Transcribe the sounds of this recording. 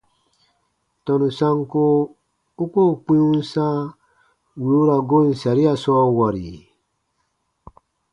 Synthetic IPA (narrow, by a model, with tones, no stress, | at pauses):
tɔ˨nu˨sa˦ŋko˦ | u˦ko˦˨k͡pĩ˦ũ˦n˦sa˦ | wi˨u˦ɾa˨ɡo˦˨n̩˨sa˨ɾi˦a˨sɔː˦wa˨ɾḭ˨